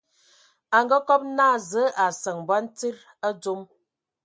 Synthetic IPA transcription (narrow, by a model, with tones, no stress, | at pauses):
a˨ŋɡə˦kɔ˦p̚naː˦˨zə˨˦ʔa˨sə˨ŋba˦n̩˦ti˦ɾ | ə˦d͡zu˦m